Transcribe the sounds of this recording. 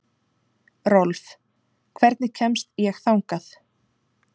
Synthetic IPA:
rɔlf | kʰvɛɾt̪nɪcʰɛmst̪jɛxθawŋkaθ

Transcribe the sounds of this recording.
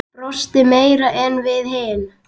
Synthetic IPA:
rɔst̪ɪmeːjɾaʔɛnvɪðɦeːn

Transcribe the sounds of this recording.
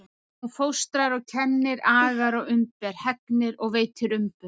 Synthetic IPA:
ufowst̪ɾaɾɔɣcʰɛnːɪɾaːɣaɾɔɣʏmpɛɾ̥hɛknɪɾɔɣveːjt̪ʰɪɾʏmpʏ

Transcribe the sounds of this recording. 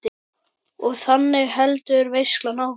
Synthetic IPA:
ɪ | ɔɣθanːɪɣɦɛlt̪ʏɾvejsklanaw

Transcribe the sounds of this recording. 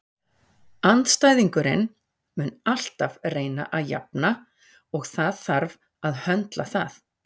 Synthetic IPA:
ant̪st̪aːjðiŋkʏɾɪ̰n | mʏnal̥t̪avreːjna̰ʔaðja̰p̚na | ɔɣθaðθaɾv | aðhœnt̪laθaθ

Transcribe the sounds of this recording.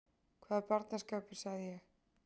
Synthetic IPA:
kʰvaːðapaɾt̪naskaːpɪ̥saɣðɪjɛx

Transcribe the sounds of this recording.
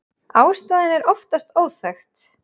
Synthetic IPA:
aːwst̪aːðɪnɛɾɔft̪ast̪oːwθɛxt̪

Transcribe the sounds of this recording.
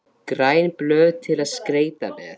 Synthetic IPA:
kɾaːjnplœːðt̪ʰɪlaðskɾeːjt̪a̰vɛ̰ð

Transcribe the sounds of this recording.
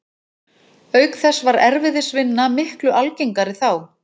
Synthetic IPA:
œːɥkθɛsːvaɾɛɾvɪðɪsvɪnːamɪhklʏʔalcejŋkaɾɪθaw

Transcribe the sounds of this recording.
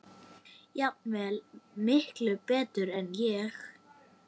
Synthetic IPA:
japnvɛlmɪhklʏpɛːt̪ʏɾɛnjɛx

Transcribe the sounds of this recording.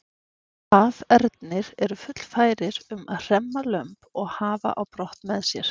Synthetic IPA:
avɛɾt̪nɪɾɛɾʏfʏt̪l̥faːjɾɪɾʏmaðr̥ɛmːalœmpɔɣhaːva̰ʔawpɾɔht̪mɛðsjɛɾ̥

